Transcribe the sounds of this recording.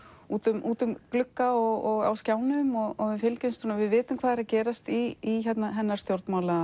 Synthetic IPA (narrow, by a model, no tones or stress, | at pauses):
uːt̪ʏmʔuːt̪ʏmklʏkːaɔɣɔɣa̰wscjaːwnʏmɔɣɔɣɪfɪlcʏnst̪unavɪðvɪːt̪ʏmkʰv̥aːðɛɾacɛːɾast̪iːçɛt̪naɦɛnːaɾst̪jowɾt̪maːwlaa